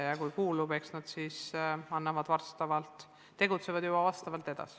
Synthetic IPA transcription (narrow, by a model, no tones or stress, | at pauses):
jɑkujkuːlube̞ksnɑd̪̥sisɑnːɑvɑd̪̥vɑrst̪ɑvɑlt̪ˑ | t̪ːe̞ɡ̥ut̪se̞vɑd̪jubɑvɑst̪ɑvɑlt̪e̞d̪̥ɑ̰si̥